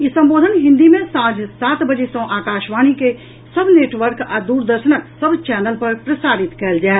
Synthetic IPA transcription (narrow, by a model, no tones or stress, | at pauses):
jesɐ̃mboːd̪ʱənɦɪ̃nd̪imẽsãːd͡ʒʱsaːt̪bəd͡ʒesɔ̃ʔaːkaːʃʋaːñike | səbʱneːʈʋəɾkaːd̪uːɾd̪əɾʃənəksəbt͡ʃɛːnəlpɐɾpɾəsaːɾɪt̪kɐld͡ʒaːe